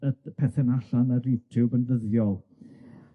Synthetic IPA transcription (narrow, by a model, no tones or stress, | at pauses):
əpʰɛθɛnaɬanəɾjutʰubənvəðjɔlˠ